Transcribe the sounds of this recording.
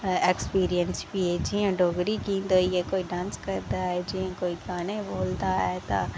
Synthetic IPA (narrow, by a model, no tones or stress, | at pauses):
ekspiːɾijənspied͡ʒiẽɖoːɡɾikĩːnd̪oiekoːiɖãːnskɐɾd̪aɦɛd͡ʒiẽkoːiɡaːnẽboːld̪aɦɛt̪a̰